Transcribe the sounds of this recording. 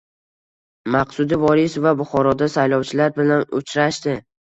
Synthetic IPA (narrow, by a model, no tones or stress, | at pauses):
maqsʊd̪ɪvɒɾɪsvabʊχɒɾɒd̪asajlˠɒwt͡ʃʰɪlaɾbɪlanʊ̰t͡ʃʰɾaʃt̪ɪ